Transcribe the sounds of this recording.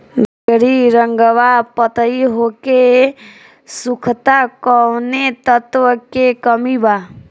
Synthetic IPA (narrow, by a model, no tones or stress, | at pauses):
ɾɡəɽiɾəŋɡəʋapət̪əiɦoke | sukʰt̪akəʋnet̪ət̪ʋəkekəmiba